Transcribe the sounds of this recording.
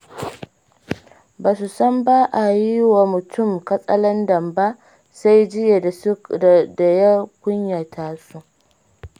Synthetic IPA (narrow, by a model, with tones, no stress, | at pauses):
baː˨su˨sɔ˦mbaː˦ʔa˨ji˦wa˨mʊ˨tʰʊ˦˨mkɐ˦sʼɐ˦lɐ˦ndɐ˨mba˦ʔ | sa˦jd͡ʒɪ˦je˨dda˨ja˦kʷʊ˦ɲja˨tʰaː˦su˦ʔ